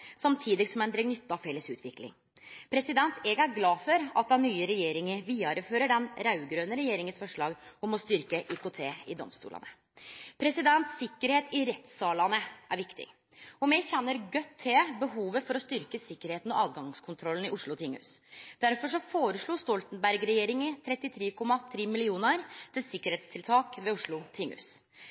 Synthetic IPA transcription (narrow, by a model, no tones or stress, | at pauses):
sɑmt̪ʰiːd̪ɪɡsɔmæɪnd̪ɾɛɡnʏt̪ːɑʋfɛlːəsʉ̰ːt̪ʰʋɪklɪ̰ŋ | pʰɾɛsɪd̪ɛnt̪ʰɛɡæɾɡlɑːfɔɾɑt̪̚d̪ɛnːyːəɾɛjeːɾɪŋəʋiːɑɾəføːɾəɖɛnɾɑʉɡɾøːnəɾɛjeːɾɪŋənsfɔʂɭɑːɡɔmɔst̪ʏɾkəʔikʰoːt̪ʰeːɪd̪ɔ̰mst̪ṵːlɑ̰nə | pʰɾɛsɪd̪ɛnt̪sɪkːəɾheːt̪ɪɾɛt̪sɑːlɑnəʔæɾʋɪkt̪ɪ̰ | ɔmɛçɛnːəɾɡœt̪ʰːebəɦuːʋəfɔɾɔst̪ʏɾkəsɪkːəɾheːt̪n̩ɔʔɑːd̪ɡɑŋskʰʊnt̪ʰɾɔlːənɪʔʊʂɭʊt̪ʰɪŋʉ̰ːsd̪̥æɾfɔʂ̬ɔfoːɾəʂɭuːst̪ɔlt̪nbæɾɡɾɛjeːɾɪŋɪt̪ʰɾɛt̪ːɪt̪ʰɾeːkʰɔmːɑθʰɾeːmɪlɪuːnəɾt̪ʰɪlsɪkːəɾheːt̪st̪ʰɪlt̪ʰɑːkʋɛʊʂɭʊt̪ʰɪŋːʉ̰s